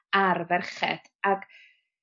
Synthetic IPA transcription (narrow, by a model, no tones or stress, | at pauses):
arvɛrχɛ̰d̥ | aɡ̥